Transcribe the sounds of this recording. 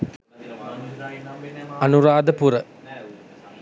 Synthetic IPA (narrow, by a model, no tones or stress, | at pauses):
ɐnuɾadɐpuɾɐ